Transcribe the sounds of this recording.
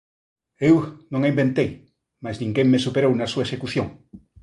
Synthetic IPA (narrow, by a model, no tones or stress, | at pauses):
ewnõŋaimbẽnt̪ej | maznĩŋɡeŋmesupeɾownasuesekuθjõŋ